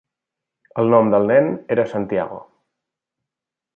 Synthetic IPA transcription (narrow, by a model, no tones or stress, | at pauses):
əlˠnɔmd̪əlˠnɛneɾəsant̪ia̰ɣ̞o̰